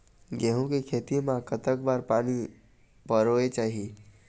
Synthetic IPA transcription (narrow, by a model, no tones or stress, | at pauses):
ɡeɦũkekʰeːt̪imãkət̪əkbaːɾpaːni | pəɾoet͡ʃaːɦi